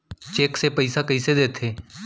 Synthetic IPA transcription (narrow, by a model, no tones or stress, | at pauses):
t͡ʃeːkseːpəisakəiseːd̪eːt̪ʰeː